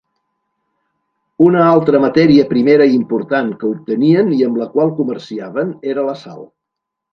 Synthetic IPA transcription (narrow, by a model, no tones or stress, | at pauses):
unəalˠt̪ɾəmət̪ɛɾiəpɾimeɾəimpuɾt̪aŋkəup̚t̪əniəniəmləkwalˠkumərsiaβ̞əneɾələsa̰lˠ